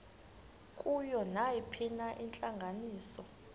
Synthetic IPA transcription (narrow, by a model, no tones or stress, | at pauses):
kʼujɔnajipʰinaʔint͡ɬʼaŋɡʱaniːsɔ